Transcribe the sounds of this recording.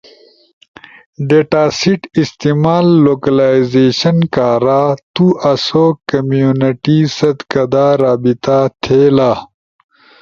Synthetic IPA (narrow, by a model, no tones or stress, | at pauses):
ɖeːʈaːsiʈist̪imaːlːoːkɐlaːizeːɕɐnkaːɾaːt̪uʔɐsoːkɐmjuːniʈisɐd̪kɐd̪aːɾaːbit̪at̪ʰeːlaː